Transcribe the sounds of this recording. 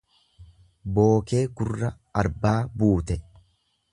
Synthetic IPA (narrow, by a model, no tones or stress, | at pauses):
bo̞ːke̞ːɡʊrːɐ | ɐɾbaːbuːt̪ɛ